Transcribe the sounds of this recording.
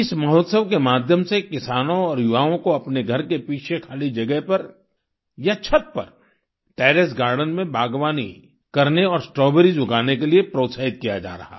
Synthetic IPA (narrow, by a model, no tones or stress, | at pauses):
ɪsmɐɦɔːt̪səʋkemaːd̪ʱjəmsekɪsaːnõɔːɾjʊʋaːõkoɐpneɡʱɐɾkepiːt͡ʃʰekʰaːlid͡ʒɐɡɛɦpɐɾ | jat͡ʃʰət̪̚pɐ̰ɾ | ʈɛːɾesɡaːɾɖənmẽbʱaːɡʋaːnḭ | kɐɾneɔːɾsʈɾɔːbəɾid͡ʒʊɡaːnekeliepɾoːt̪saːɦɪt̪̚kijad͡ʒa̰ːɾɐ̰ɦa̰ː